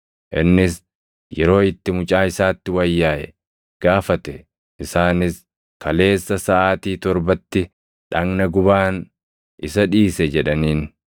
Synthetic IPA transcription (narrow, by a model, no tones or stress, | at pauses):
ʔɪ̰nːɪs | jɛɾo̞ːɪt̪ːɪmʊt͡ʃʼaːɪsaːt̪ːɪwɐjːaːʔɛ̰ | ɡ̥aːfɐt̪ɛ | ʔɪsaːnɪs | kɐle̞ːsːɐsɐʔaːt̪iːt̪ɔɾbɐt̪ːɪ | ᶑɐŋnɐɡʊbaːn | ʔɪsɐᶑiːsɛd͡ʒɛᶑɐniːn